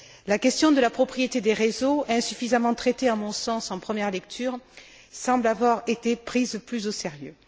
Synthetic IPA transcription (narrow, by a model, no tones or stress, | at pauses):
lakʲɛst̪jɔ̃d̪əlapχɔpχijet̪ed̪eʁezoɛ̃syfizamɑ̃t̪χet̪eãmɔ̃sɑ̃sɑ̃pχəmjɛʁlɛk̚t̪ʰyːʁ | sɑ̃blavwaʁet̪epχizplyzoseʁjø